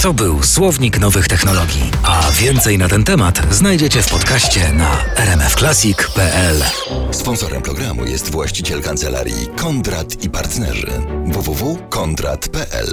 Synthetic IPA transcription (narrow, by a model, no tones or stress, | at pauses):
t̪ɔbɘwswɔvɲiknɔvɘxt̪ɛxnɔlɔɡʲjḭavʲjɛnt̪sɛjnat̪ɛnt̪ɛmat̪znajd͡ʑɛt͡ɕɛfpɔt̪kaɕt͡ɕɛnaɛɾɛmɛfklasʲikpɛʔɛl | spɔnsɔɾɛ̰mpɾɔɡɾamṵjɛst̪vwaɕt͡ɕit͡ɕɛlkant̪sɛla̰ɾʲjḭkʰɔnd̪ɾat̪ipaɾt̪nɛ̰ʐɘ̰vuvuvukɔnt̪ɾa̰t̪pɛʔɛ̰l